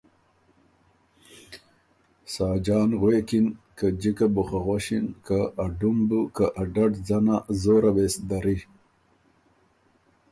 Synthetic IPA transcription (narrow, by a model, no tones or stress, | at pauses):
sɑːd͡ʒɑːnɣwekinkad͡ʒikabʊχaɣoɕinkaːɖumbukaʔaɖaʈd͡zanazoːɾawesd̪aɾi